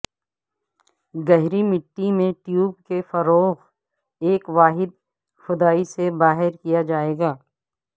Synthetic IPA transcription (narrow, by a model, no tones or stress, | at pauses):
ɡɐɦɾimɪʈːimẽʈjuːbkefɐɾoːɣ | eːkʋaːɦɪd̪̚ | xʊd̪aːisebaːɦɪɾkijad͡ʒaːeːɡaː